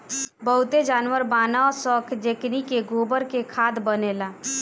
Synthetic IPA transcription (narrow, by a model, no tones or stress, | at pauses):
bəɦʊt̪ed͡ʒaːnwəɾbaːnasɔkʰd͡ʒeknikeɡʱobəɾkekʰad̪bənela